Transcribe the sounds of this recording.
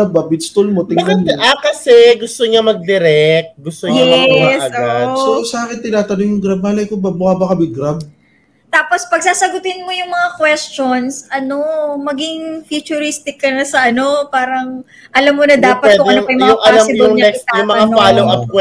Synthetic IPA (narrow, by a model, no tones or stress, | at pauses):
ab̚bɐbɪt̪st̪ulmo̞t̪ɪŋɐnlʔakɐsɛɡʊst̪oɲamɐɡ̚d̪ɪɾɛk̚t̪̚ɡʊst̪oɲjɛɐsɐoasosɐʔaːkɪnt̪ɪnaːt̪ɐnojjʊŋɡɾab̚ːaːlɐjkobɐbʊkaːbɐkɐbɪɡɾab̚ | t̪aːpo̞spɐɡ̚saːsɐɡʊt̪ɪnmo̞jʊŋmɐŋakwɛst͡ʃo̞nsʔɐno̞mɐɡɪŋfut͡ʃʊɾist̪ɪkːɐnɐsɐʔɐno̞paːɾɐŋ | ʔɐlɐmːonɐd̪aːpɐw̪ɛkʊd̪ɐjnoɐjmɐŋjɐɐalɐsɪŋɲɐɛk̪jʊŋmɐŋapaːloɐkwɛ